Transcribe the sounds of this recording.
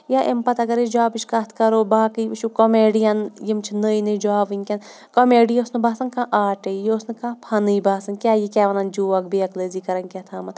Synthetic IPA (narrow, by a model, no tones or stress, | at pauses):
jaːʔempɐt̪ɐɡɐɾid͡ʒaːbiʃkɐt̪ʰkɐɾoːbaːkɨjɨʃukomeːɖijɐnjimt͡ʃʰinəːjnɨd͡ʒaːʋɨŋʲkʲɐn | komeːɖijosnɨbaːsɐnkãːʔaːʈəjosnɨkãːpʰɐnɨjbaːsɐnkʲaːjikʲaːʋɐnɐnd͡ʒuːʋɐk̚biɐkləːziːkɐɾɐnʲkʲat̪ʰaːmɐt̪